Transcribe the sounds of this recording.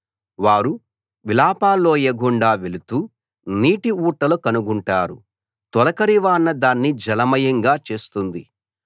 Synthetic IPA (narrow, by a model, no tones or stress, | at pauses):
ʋaːɾu | ʋilaːpaːlːo̞ːjeːɡuɳɖaːʋelut̪uː | niːʈiuːʈːɐlukɐnuɡuɳʈaːɾṵ | t̪ɔlɐkɐɾiʋaːnːɐd̪aːnːid͡ʒɐlɐmɐjɐŋɡaːt͡ʃe̞ːst̪und̪i